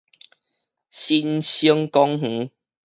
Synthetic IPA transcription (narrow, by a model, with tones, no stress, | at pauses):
ɕi˧nɕi˦ŋkɔ˦ŋh̩˨˦